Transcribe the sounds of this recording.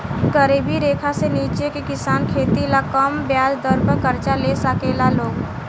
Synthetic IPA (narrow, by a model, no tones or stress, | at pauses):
kəɾeːbiɾeːkʰaseniːt͡ʃekekɪsaːnkʰeːt̪ilakəmbjaːd͡ʒd̪əɾpəɾkəɾt͡ʃalesəkeːlaloːɡ